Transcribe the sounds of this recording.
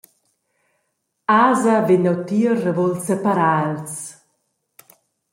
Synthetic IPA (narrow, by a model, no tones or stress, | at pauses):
aːzavenawt̪iərəvolsɛpaɾals